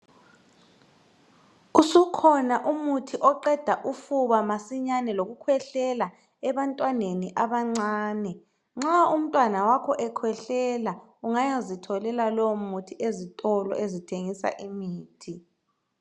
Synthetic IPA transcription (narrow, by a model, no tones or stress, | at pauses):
usukʰɔnaʔumutʰiʔɔǃɛd̥ʱaʔufuβamasiɲanɛloɣukʰwɛɬɛla | ɛβantʼwaneniʔaβaŋ͡ǀaːnɛ | ŋ͡ǁaum̩tʼwanawakʰɔʔɛkʰwɛɬɛla | uŋajazitʰɔlɛlalɔwmutʰiʔezitʼɔlɔ̰ʔezitʰeŋisa̰ʔimiːtʰi